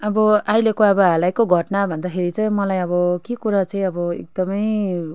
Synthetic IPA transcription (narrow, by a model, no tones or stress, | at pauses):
ʌbʌajlekoʌbʌɦãlajkoɡʱʌʈnabʱʌnd̪akʰeɾit͡saj̃mʌlajʌβʌkikuɾat͡sʌĩʌbʌḛk̚d̪ʌmʌj